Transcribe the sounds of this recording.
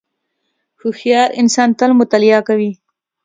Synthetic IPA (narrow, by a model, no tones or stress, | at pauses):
xuxjɑɾɪnsɑnt̪əlmʊt̪alɪjɑkawi